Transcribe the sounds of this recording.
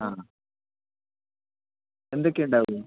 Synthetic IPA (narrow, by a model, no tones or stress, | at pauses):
a | end̪okʲːeuɳɖaːʋuu